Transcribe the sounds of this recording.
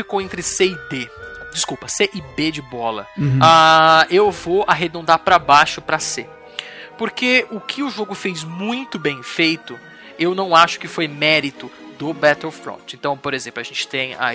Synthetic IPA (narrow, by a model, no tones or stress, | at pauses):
fikowẽnt̪ɾɪseid̪ed͡ʒiskupɐseʔɪbed͡ʒɪbɔlɐ̰aewvoaɦed̪õnd̪apɾɐbaʃʊpɾɐse | poɾkeʊkʰɪʊʒoɡʊfejzmũj̃t̪ʊbẽj̃fejt̪ʊ | ewnɐ̃w̃aʃʊ̥kɪfojmɛɾit̪ʊ | d̪ʊbɛt̪elfɾõ̰t͡ʃɪẽnt̪ɐ̃w̃poɾezẽplʊɐʒẽnt͡ʃɪ̥t̪ẽj̃a̰